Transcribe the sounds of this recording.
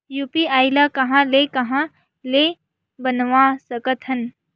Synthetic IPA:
juːpiaːjlakɐɦãlekɐɦã | le | bənʋãːsəkət̪ʰɐn

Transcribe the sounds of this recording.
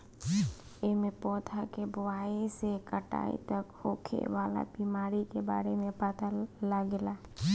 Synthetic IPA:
emẽpɔːt̪ʰakebʊaːisekəʈa̰ːḭt̪ɐkhoːkʰḛʋaːla̰biːmaːɾikeba̰ːɾemẽpət̪alaɡɪlaː

